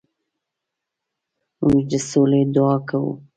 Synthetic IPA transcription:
muŋɡd̪əsoled̪ʊɑkawṵ

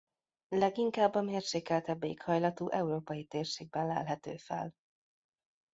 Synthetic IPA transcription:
lɛɡiŋkaːbːɒmeːrʃeːkɛlt̪ɛbːeikhɒjlɒt̪uːʔɛuɾoːpɒjit̪eːrʃeːɡ̚bɛnlɛ̰lɦɛt̪ø̰ːfɛ̰l

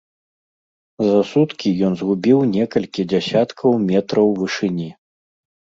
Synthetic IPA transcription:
zɐsut̪kʲijɔnzɣubʲiwnʲɛkɐlʲkʲid͡zʲasʲat̪kʰɐwmʲɛt̪ɾɐwvɨʂɨnʲi

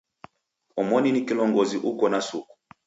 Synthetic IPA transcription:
ɔmɔninikilɔŋɡɔziʔukɔnasuku̥

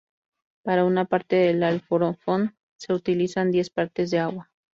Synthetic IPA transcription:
paɾaunapaɾt̪e̞ðelalfoɾofon | se̞ut̪ilisand̪je̞spaɾt̪e̞zðe̞aɣwa

